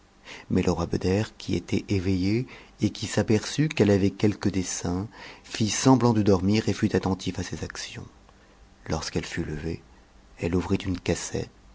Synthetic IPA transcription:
mɛlʔəʁwabə̰d̪ɛʁkʰʲiḛt̪ɛʔevejeekʲisapɛʁsykɛlavɛkʲɛlkəd̪esɛ̃fisɑ̃blɑ̃d̪əd̪ɔʁmiʁefyt̪at̪ɑ̃t̪ʰifasezaksjɔ̰̃ | lɔʁskɛlfyləve | ɛluvʁit̪ynkasɛ̰t̪

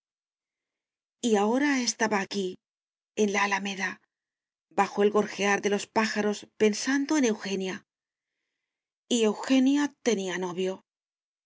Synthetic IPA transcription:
iao̞ɾae̞st̪aβaːki | e̞nlaːlame̞ða | baxo̞e̞lɣo̞ɾxe̞aɾðe̞lo̞spaxaɾo̞spe̞nsand̪o̞ene̞wxe̞nja | ie̞wxe̞njat̪e̞niano̞βjo̞

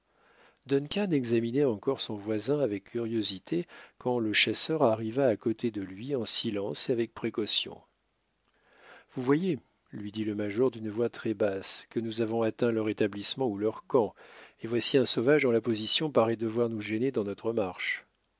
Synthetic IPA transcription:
d̪ɔnkʲanɛɡzaminɛɑ̃kɔʁsɔ̃vwazɛ̃avɛkʲʰːyʁjozit̪ʰekɑ̃ləʃasœʁaʁivaːkɔt̪ʰed̪əlɥiɑ̃silɑ̃seavɛk̚pχekɔsjɔ̰̃ | vuvwaje | lɥid̪iləmaʒɔʁd̪ynəvwat̪χɛbaskənuzavɔ̃at̪ɛ̃lœʁet̪ablismɑ̃ulœʁkɑ̃evwasiɛ̃sɔvaʒd̪ɔ̃lapɔzisjɔ̃paʁɛd̪əvwaʁnuʒened̪ɑ̃nɔt̪χəmaʁʃ

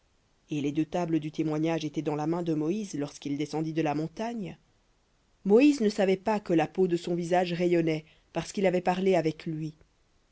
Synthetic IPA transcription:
eled̪øt̪abləd̪yt̪emwaɲaʒet̪ɛd̪ɑ̃lamɛ̃d̪əmɔizlɔʁskild̪esɑ̃d̪id̪əlamɔ̃t̪aɲ | mɔiznəsavɛpakəlapod̪əsɔ̃vizaʒʁejɔnɛ | paʁsə̥kilavɛpaʁleavɛklɥi

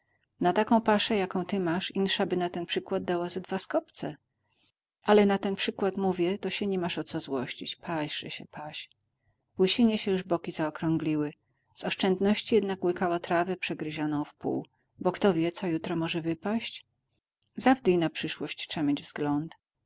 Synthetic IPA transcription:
nat̪akɔ̃w̃paʂɛjakɔ̃w̃t̪ɘmaʂinʂabɘnat̪ɛnpʂɘkwad̪̚ːawazad̪vaskɔpt̪sɛ̰ | ʔalɛnat̪ɛnpʂɘkwat̪muvʲjɛt̪ɔɕɛɲɛmaʂɔt̪sɔzwɔɕt͡ɕit͡ɕpʰaɕʐ̥ɛ̰ɕɛ̰pʰaɕ | wɘɕiɲɛɕɛjuʐbɔkʲizaɔkɾɔ̃ŋɡlʲiwɘ | z̥ɔʂt͡ʂɛnd̪nɔɕt͡ɕijɛd̪nakwɘkawat̪ɾavɛpʂɛɡɾɘʑanɔ̃w̃fpṵw | bɔkt̪ɔvʲjɛt̪sɔjut̪ɾɔmɔʐɛvɘpaɕt͡ɕ | zavd̪ijnapʂɘʂwɔɕt͡ɕt͡ʂamʲjeɲd͡ʑvzɡlɔnt̪

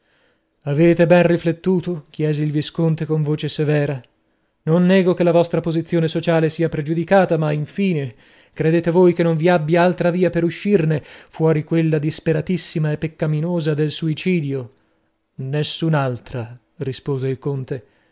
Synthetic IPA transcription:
aveːt̪ebɛnriflet̪ːuːt̪ok̟jɛːzeilviskont̪ekoɱvoːt͡ʃesevɛːɾa | nonːɛːɡokelːavɔst̪ɾapozit̪sːjoːnesot͡ʃaːlesiːapɾed͡ʒud̪ikaːt̪amaiɱfiːne | kɾed̪eːt̪evoːjkenːoɱviabːjaalt̪ɾaviːapeɾuʃːirnefwɔːɾikwelːad̪ispeɾat̪isːimaepːekːaminoːzad̪elsuit͡ʃiːd̪jo | nesːunalt̪ɾa | rispoːzeilkont̪e

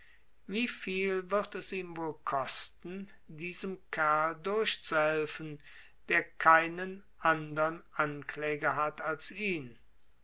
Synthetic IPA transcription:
viːfiːlvɪʁtɛsiːmvoːlkʰɔstn̩ | diːzəmkʰæɐldʊɐʃt͡suhɛlfn̩ | d̥eːɐkʰaɪnən | ʔandɐənanklɛːɡɐɦatʰalsiːn

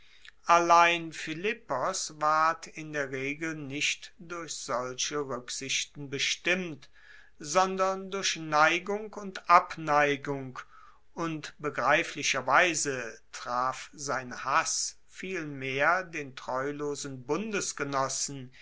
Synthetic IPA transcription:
ʔalaɪnfɪlɪpɔsvaɐtʰɪndeːɐʁeːɡl̩nɪʃtd̥ʊɐçz̥ɔlʃəʁʏkz̥ɪʃtn̩bəʃtɪmt | z̥ɔndɐndʊɐçnaɪɡʊŋkʊntʔapnaɪɡʊŋk | ʔʊntb̥əɡʁaɪflɪʃɐvaɪzətʁ̥aːfzaɪnhas | fiːlmeːɐdeːntʁ̥ɔʏloːzn̩bʊndəsɡ̥ənɔsn̩

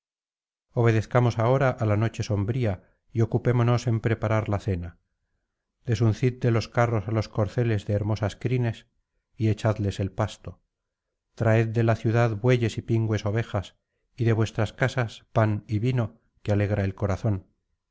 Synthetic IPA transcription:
o̞β̞e̞ð̞e̞θkamo̞sao̞ɾaʔalano̞t͡ʃe̞so̞mbɾia | io̞kupe̞mo̞no̞se̞mpɾe̞paɾaɾlaθe̞na | d̪̥e̞sun̟θit̪̚d̪e̞lo̞skaro̞salo̞sko̞ɾθe̞le̞zðeːɾmo̞saskɾine̞s | ie̞t͡ʃaðle̞se̞lpast̪o̞ | t̪ɾae̞t̪̚d̪e̞laθjuðaðbweʎe̞sipiŋɡwe̞so̞β̞e̞xas | iðe̞βwe̞st̪ɾaskasaspaniβino̞ | keale̞ɣ̞ɾae̞lko̞ɾaθo̞n

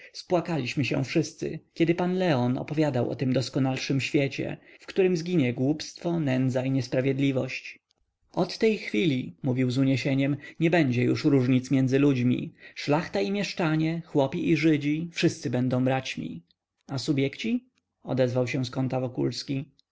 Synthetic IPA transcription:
spwakalʲiɕmɘɕɛ̰̃fʂɘst̪sɘ̰kʲɛd̪ɘpanlɛɔnɔ̰pɔvʲjad̪awʔɔ̰t̪ɘmd̪ɔskɔnalʂɘmɕfʲjet͡ɕɛ̰fkt̪uɾɘmzɡʲiɲɛɡwupst̪fɔnɛnd̪zaiɲɛspɾavʲjɛd̪lʲivɔɕt͡ɕ | ɔt̪ːɛjxfʲilʲimuvʲiwzuɲɛɕeɲɛmɲɛbɛɲd͡ʑɛjuʂɾuʐɲit̪smʲjɛnd̪zɘlud͡ʑmʲḭʂlaxt̪aimʲjɛʂt͡ʂaɲɛxwɔpʲiʔiʐɘd͡ʑifʂɘst̪sɘbɛnd̪ɔ̃w̃bɾat͡ɕmʲḭ | asubʲjɛkt͡ɕi | ɔ̰d̪ɛzvawɕɛ̃skɔnt̪avɔkulskʲi

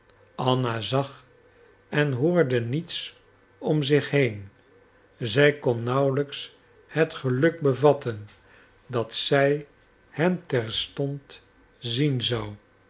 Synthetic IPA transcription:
ɑnazɑχ | ɛnɦʊːɹdənits | ɔmzɪχɦejn | zɛjkɔnːɑwləks | hɛtχəlɵk̚bəvɑtən | dɑtsɛj | hɛmtɛɹstɔnt | zinzɑw

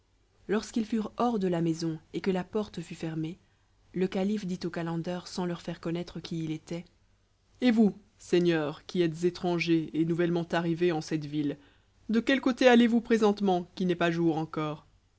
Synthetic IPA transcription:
lɔʁskilfyʁɔʁd̪əlamɛzɔ̃ekəlapɔʁt̪fyfɛʁme | ləkalifd̪it̪okalɑ̃d̪œʁsɑ̃lœʁfɛʁkɔnɛt̪χəkʲiːlet̪ɛ | evu | sɛɲjœʁkʲiɛt̪zet̪χɑ̃ʒeenuvɛlmɑ̃t̪aʁiveɑ̃sɛt̪vil | d̪əkʲɛlkot̪ealevupχezɑ̃t̪mɑ̃kʲinɛpaʒuʁɑ̃kɔːʁ

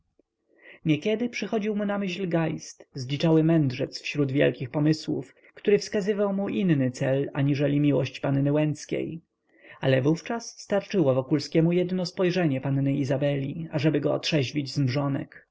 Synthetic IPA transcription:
ɲekʲɛd̪ɘpʂɘxɔd͡ʑiwmunamɘɕlɡajst̪zlʲit͡ʂawɘmɛnd̪ʐɛt̪sfɕɾud̪vʲjɛ̰lkʲixpɔmɘswṵf | kt̪uɾɘfskazɘvawmuʔinnɘt̪sɛla̰ɲiʐɛlʲimʲiwɔɕt͡ɕpanːnɘwɛnt̪skʲḛj | alɛvuft͡ʂasːt̪aɾt͡ʂɘwɔvɔkulskʲɛmujɛd̪nɔspɔjʐɛɲɛpanːɘizabɛlʲiaʐɛbɘɡɔɔ̰t̪ʂɛʑvʲid͡ʑzmʐɔnɛ̰k

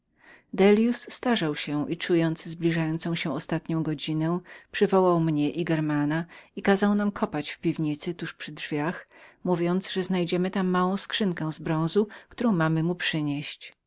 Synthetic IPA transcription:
d̪ɛlʲjusːt̪aʐawɕɛʔit͡ʂujɔnt̪zzblʲiʐajɔnt̪sɔ̃w̃ɕɛ̃ɔst̪at̪ɲɔ̃w̃ɡɔd͡ʑinɛ̃pʂɘvɔwawmɲɛʔiɡɛɾmanaikazawnamkʰɔpat͡ɕfpʲivɲit̪sɘt̪uʂpʂɘdʐvʲjaxmuvʲjɔnt̪zʐɛznajd͡ʑɛmɘt̪amːawɔ̃w̃skʂɘŋkɛ̃zbɾɔ̃w̃zukt̪uɾɔ̃w̃mamɘmupʂɘɲeɕt͡ɕ

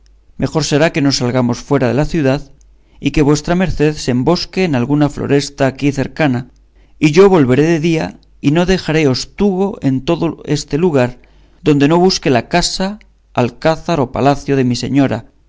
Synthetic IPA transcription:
me̞xo̞ɾse̞ɾake̞no̞salɣamo̞sfwe̞ɾaðe̞laθjuðað | ike̞βwe̞st̪ɾame̞ɾθe̞ðsembo̞ske̞ːnalɣunaflo̞̰ɾʔe̞st̪aːkiθe̞ɾkana | iʝo̞βo̞lβe̞ɾe̞ðe̞ðia | ino̞ðe̞xaɾe̞o̞st̪uɣ̞o̞e̞nt̪o̞ðo̞e̞st̪e̞luɣ̞aɾ | ðo̞nd̪e̞no̞β̞uske̞lakasa | alkaθaɾo̞pa̰laθjo̞ð̞e̞mise̞̰ɲo̞ɾa̰

